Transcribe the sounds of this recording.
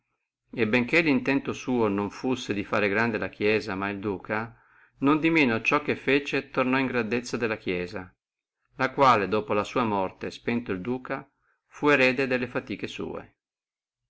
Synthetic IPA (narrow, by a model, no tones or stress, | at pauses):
ebeŋk̟elːint̪ɛnt̪osuːonoɱfusːed̪ifaːɾeɡɾand̪elak̟jɛːzamaild̪uːkʰa | nond̪imeːnot͡ʃɔkːefːeːt͡ʃet̪ornɔiŋɡɾand̪et̪sːad̪elːakjɛːza | lakwaːled̪oːpolasuːamɔrt̪espɛnt̪oild̪uːka | fueɾɛːd̪ed̪elːefat̪iːkesṵːḛ